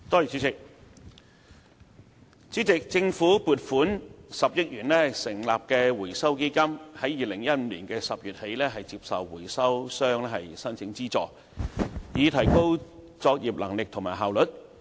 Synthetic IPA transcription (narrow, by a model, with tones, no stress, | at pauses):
t̪ɔː˥jiː˨˩t͡sʰyː˨˥t͡sɪ˨k̚ | t͡siː˨˥t͡sɪ˨k̚t͡sɪ˧ŋfuː˨˥puː˨t̚fuː˨˥nsɐ˨p̚jɐ˥t̚jyː˨˩nlɛː˥sɪ˨˩ŋlaː˨p̚kɛː˧wuː˨˩jsɐ˥wke˥jkɐ˥mhɐ˨˥jiː˨lɪ˨˩ŋjɐ˥t̚m̩ː˨˧˥liː˨˩nkɛː˧sɐ˨p̚jyː˨˩t̚he˨˥jlɛː˥ɦɐ˨jt͡si˧p̚sɐ˨wwuː˨˩jsɐ˥wsœː˥ŋlɛ˥hɐ˨jsɐ˥nt͡sʰɪ˨˥ŋt͡siː˥t͡sɔ̰ː˨k̚ | jiː˨˧t̪ʰɐ˨˩jko˥w | t͡sɔː˧k̚jiː˨˩p̚lɐ˨˩ŋlɪ˨k̚t̪ʰʊ˨˩ŋmaː˨˩ɦaː˨wlɵ˨˩t̚